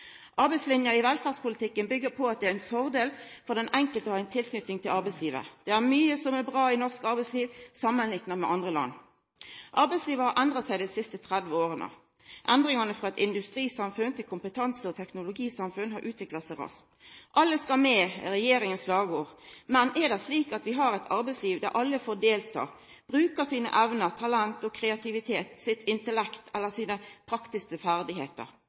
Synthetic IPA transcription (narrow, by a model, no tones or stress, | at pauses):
ʔɑɾbæɪslɪnjɑɪʋɛlfɑʁspʊlɪt̪ʰɪkːənbʏɡːəpʰɔɑt̪̚d̪ɛæɪnfɔʁd̪eːl | fɔʁd̪ɛnʔɛŋkəlt̪əæɪnt̪ʰɪlkʰnʏt̪ɪŋt̪ʰɪlɑʁbæɪsliːʋə̰d̪̥ɛæʁmyːəsɔmæʁbʁɑːɪnɔʁskɑɾbæɪsliːʋsɑmːənlɪŋnəmɛʔɑnd̪ʁəlɑ̰nː | ʔɑɾʁbæɪsliːʋəhɑɾʔɛnd̪ʁɑt̪sæɪd̪æɪsɪst̪ət̪ʰʁæd̪ʋəoːʁənə̰ | ʔɛnd̪ʁɪŋɑnəfʁɑɛt̪ɪnd̪ʉst̪ɾiːsɑmfʉnt̪ʰɪlkʰʊmpət̪ʰɑnsəɔt̪ʰɛknʊlʊɡiːsɑmfʉnɦɑɾʔʉːt̪ʰʋɪklɑt̪sæɪʁɑ̰st̪ | ʔɑlːəskɑmeːɾɛjeːɾɪŋənslɑːɡoːʁmɛnɛd̪ɛsliːkɑt̪ʋɪɦɑɾɛɪt̪ʰɑɾbɛɪsliːʋd̪æ̰ɾʔɑlːəfoːd̪eːlt̪ʰɑ̰ː | b̥ɾʉːkəsiːnə̰ʔæʋnəʁt̪ʰɑlænt̪ɔkʰɾɛɑt̪ʰɪʋɪt̪ʰeːt̪sɪt̪ʰɪnt̪əlɛkt̪ʰɛlːəsiːnəpʰɾɑkt̪ɪskəfæʁd̪ɪɦeːt̪ə̰ɾ